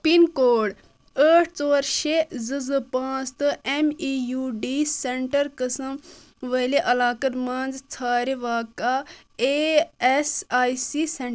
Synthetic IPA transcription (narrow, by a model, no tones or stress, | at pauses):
pinkoːɽ | əːʈʰt͡soːɾʃezɨzɨpãːt͡st̪ɨʔemiːjuːɖiseɳʈəɾkəsəm | ʋɐleʔɐlaːkət̪mãːnd͡ʒt͡sʰaːɾeʋaːka | eesaːjsiseɳ